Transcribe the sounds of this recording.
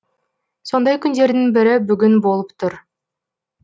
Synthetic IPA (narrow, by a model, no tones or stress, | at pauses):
sond̪ɑjkynd̪e̞ɾd̪inbiɾɪbyɡynbo̞lˠupt̪ʰuɾ